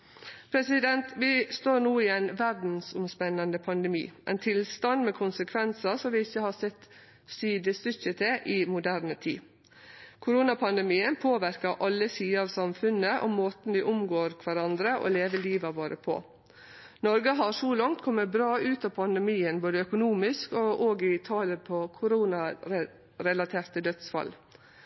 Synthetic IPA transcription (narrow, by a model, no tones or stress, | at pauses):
pʰɾɛsɪd̪ɛnt̪ʋɪst̪oːɾnuːiːɛɪnʋæɾd̪n̩sʊmspɛnːɑnd̪əpʰɑnd̪ɛmḭːʔɛ̰ɪnt̪ʰɪlst̪ɑnd̪mɛːkʰʊnsəkʰʋɛnsəsɔmʋɪɪçːəhɑsɛt̪ː | siːd̪əst̪ʏçət̪ʰeʔɪmʊd̪æɾnət̪ʰḭː | kʰʊɾuːnɑpʰɑnd̪ɛmiːənpʰoːʋæɾkəʔɑlːəsiːəɑʋsɑmfʉnəʔɔ̰mːoːt̪n̩ʋɪʔʊmɡoːɾkʰʋæɾɑnd̪ɾəʔɔ̰leːʋəliːʋɑʋoːɾəpʰɔ̰ | nɔɾɡəɦɑɾʂɔlɑŋt̪kʰɔmːəbɾɑːʉːt̪ɑːpʰɑnd̪ɛmiːənboːd̪əœkʊnuːmɪskɔʔoːɡɪt̪ʰɑːləpʰɔkʰʊɾuːnɑ | ɾɛlɑt̪ʰeːɾt̪əd̪œt̪sfɑ̰l